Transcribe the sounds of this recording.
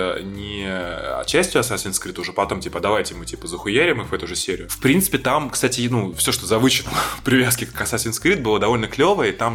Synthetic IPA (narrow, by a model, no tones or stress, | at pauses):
nʲɪɐ̰t͡ɕːæsʲtʲjʊɐsasʲɪnskɾʲit̪ʊʐɛpɐt̪o̞mtʲipəd̪ɐvajtʲɪjɪmɨtʲipəzəxʊjæɾʲɪmɨxvɛt̪ʊʐɨsʲeɾʲɪjʊfpɾʲint̪sɨ̥pʲɪt̪amkst̪atʲɪnufsʲo̞ʂt̪ozɐvɨɕɪnəpɾʲɪvʲaskʲɪkɐsasʲɪnskɾʲit̪̚bɨlˠad̪ɐvo̞lʲnəklʲo̞vəjəit̪am